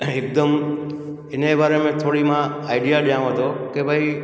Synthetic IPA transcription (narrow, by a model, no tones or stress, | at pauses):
ek̚d̪əm | enebʱaɾemẽt̪ʰoɽimã | aiɖijaɗjãʋ̃ɦət̪okebʱai